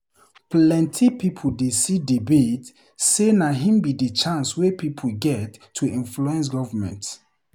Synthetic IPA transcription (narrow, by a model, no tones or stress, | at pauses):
plɛ̃ntʰipʰipʰoldesidibet | senaɦĩmbidit͡ʃãnswepipʰuɡɛtʰːuʔĩnfluɛ̃ns̬ɡɔvəmɛ̰̃nt